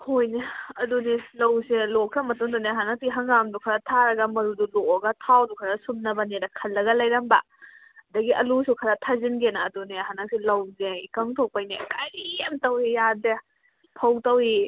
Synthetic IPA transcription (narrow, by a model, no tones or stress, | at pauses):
hojneɐdunilɐwselɔkʰɾamɐtuŋduneɦanasiɦɐŋɡamdukʰɐɾatʰaɾɐɡɐmɐɾudulɔɐɡɐtʰawdukʰɐɾasumnɐbɐneɾɐkʰɐlːɐɡɐlɐjɾɐmbɐ | dɐɡiɐlusukʰɐɾatʰazinɡenaːduneɦanasilɐwzeikaŋtʰɔk̚pajnḛkɐɾiamtɐwijade | pʰɐwtɐwi